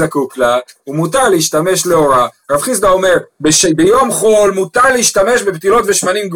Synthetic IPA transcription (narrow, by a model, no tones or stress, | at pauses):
zakuklaumutaʁleiʃt̪ame̞ʃleo̞ʁaʁafχis̬d̪aome̞ʁbeʃbejo̞mχo̞lmut̪aʁleiʃt̪ame̞ʃbept̪ilo̞t̪veʃmanimɡ